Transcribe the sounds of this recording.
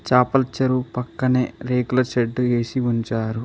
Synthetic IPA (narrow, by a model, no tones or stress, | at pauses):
t͡ʃaːpɐlt͡ʃɐɾupɐkːɐneɾeːɡulɐɾʃeɖːue̞ːsiuɲt͡ʃaːɾu